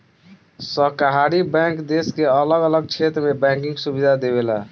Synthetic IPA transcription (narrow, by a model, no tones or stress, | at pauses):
səkəɦaɾibɛ̃ŋkd̪eskeələɡələɡ̚t͡ʃʰet̪ɾəmebɛ̃kĩŋɡsubid̪ʱad̪eβela̰